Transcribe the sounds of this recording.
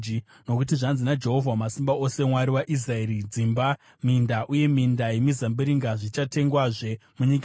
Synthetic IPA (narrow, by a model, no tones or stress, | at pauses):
no̞kut̬iʐanzinad͡ʒe̞ɦo̞vʱwamasimbao̞se̞mwaɾiwaʔis̬raeːɾid͡zimba | mindaʔuje̞mindajemizambiɾiŋɡaʐit͡ʃate̞ŋɡwaʐe̞muɲika